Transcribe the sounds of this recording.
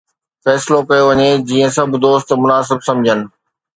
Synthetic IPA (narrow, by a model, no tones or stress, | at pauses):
fɛːslokɐjoʋɐɲed͡ʑiːə̃sɐbʱd̪oːst̪mʊnaːs̬ɪbsɐ̃md͡ʑʱənɪ̆